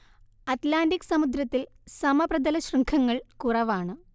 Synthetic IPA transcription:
ɐt̪laːndiksɐmud̪ɾɐt̪ːil | sɐmɐprɐd̪ɐlɐɕrɐŋkʰɐŋːɐɭkurɐʋaːɳɨ

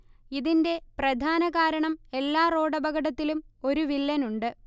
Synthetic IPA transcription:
iðinde̞prɐd̪ʱaːnɐɣaːɾɐɳɐme̞lːaːro̞ːɽɐbɐɡɐɽɐt̪ːilumo̞ɾuʋilːɐnuɳɖɨ

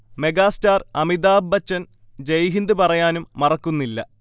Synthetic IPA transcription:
me̞ɡaːstaːrɐmid̪aːbːɐt͡ɕːɐn | d͡ʑejɦind̪ɨpɐrɐjaːnumːɐrɐkːunːilːɐ

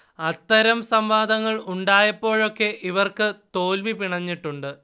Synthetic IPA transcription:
ɐt̪ːɐɾɐmsɐmʋaːd̪ɐŋːɐɭuɳɖaːjɐpːo̞ːɻo̞kːe̞ʔiʋɐrkɨt̪o̞ːlʋipiɳɐɲːiʈːuɳɖɨ

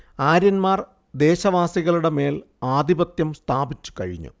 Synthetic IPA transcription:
aːɾjɐnmaːr | d̪e̞ːɕɐʋaːsiɣɐɭuɽe̞me̞ːl | aːd̪ʱibɐt̪jɐmst̪ʰaːbit͡ɕːu̥kɐ̰ɻḭɲːṵ

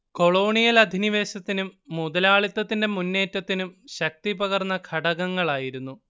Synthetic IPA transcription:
ko̞ɭo̞ːɳijɐlɐd̪ʱiniʋe̞ːɕɐt̪ːinumːuðɐlaːɭit̪ːɐt̪ːinde̞munːe̞ːtːɐt̪ːinumɕɐk̚t̪ibɐɣɐrnːɐkʰɐɽɐɣɐŋːɐɭaːjiɾunːu

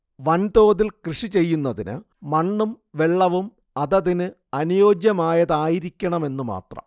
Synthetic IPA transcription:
ʋɐnd̪o̞ːðilkrɨʂit͡ɕe̞jːunːɐðinɨ̰ | mɐɳːum | ʋe̞ɭːɐʋum | ɐðɐðinɨ | ɐnujo̞ːd͡ʑjɐmaːjɐðaːjiɾikʲːɐɳɐme̞nːuma̰ːt̪rɐ̰m

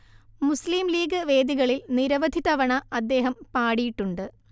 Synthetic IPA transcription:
musliːmliːɡɨʋe̞ːd̪iɣɐɭilniɾɐʋɐd̪ʱit̪ɐʋɐɳɐʔɐd̪ːe̞ːɦɐmpaːɽijiʈːuɳɖɨ

